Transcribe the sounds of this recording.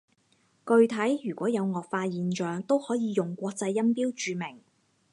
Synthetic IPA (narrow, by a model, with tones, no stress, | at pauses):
kɵ˧ɥt̪ʰɐ˨˥jjyː˨˩kʷɔː˨˥jɐ˨˧wŋɔː˨k̚faː˧jiː˨nt͡ʃœː˨˧ŋt̪o˥whɔː˨˥jiː˨˧jʊ˨ŋkʷɔː˧k̚t͡sɐ˧jːɐ˥npiː˥wt͡ʃyː˨˧mɪ˨˩ŋ